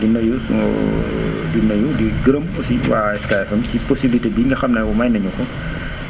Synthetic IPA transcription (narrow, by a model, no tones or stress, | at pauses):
dinɐjusṵŋɔ̰ | dinɐjudiɡəɾəmɔsiwa̰ːɛskajfɐmcipɔsibilitebiːŋɡɐxɐmnɛwɔmɐjnɐɲukɔ